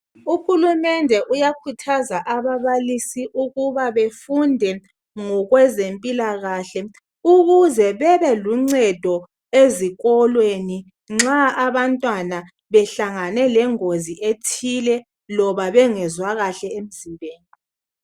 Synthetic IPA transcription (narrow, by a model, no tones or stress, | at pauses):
uxulumɛndʱɛʔujakʰutʰazaʔaβaβalisiʔuɣuβaβefundʱɛ | ŋɔɣwɛzempʼilaɣaɬɛ | uɣuzɛβɛβɛluŋ͡ǀɛd̥ʱɔ | eziɣɔlweni | ŋ͡ǁaaβantʼwana | βɛɬaŋanɛlɛŋoziʔetʰilɛ | lɔβaβɛŋɛzwaɣaɬɛem̩zimbʱeːni